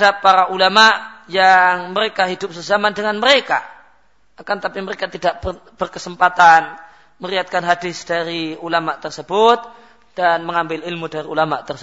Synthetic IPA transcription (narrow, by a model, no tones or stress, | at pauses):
dapːaɾaʔulamaʔjaŋməɾekaɦidʊp̚səzamandəŋanməɾeka̰ | akant̪apiməɾekat̪idaʔb̥ərkəsəmpat̪an | məɾiat̪̚kanɦadɪsd̥aɾiulamaʔt̪ərsəbʊt̪̚ | d̥anməŋambɪlɪlmudaɾiulamaʔt̪ərsə